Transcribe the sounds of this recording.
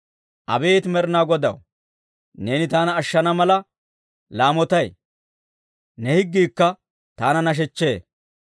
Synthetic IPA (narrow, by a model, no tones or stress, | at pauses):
ʔɐ̰be̞ːt̪mɛɾnaːɡɔd̪ɐ̰w | ne̞ːnɪt̪aːnɐːʃːɐnɐmɐlɐ | laːmɔt̪ɐj | nɛhɪɡːiːkːɐ | t̪aːnɐnɐʃ̬ɛt͡ʃːe̞ː